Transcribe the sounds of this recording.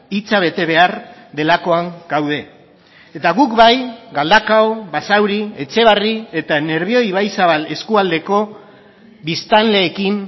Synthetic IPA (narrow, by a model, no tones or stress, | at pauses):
it͡saβ̞e̞t̪e̞β̞e̞aɾd̪e̞lako̞aŋɡawð̞e̞ | et̪aɣukβajɡald̪akaoβasawɾie̞t͡se̞β̞arie̞t̪ane̞ɾβ̞io̞iβ̞ajsaβale̞skuald̪e̞ko̞ | bist̪anle̞ːkim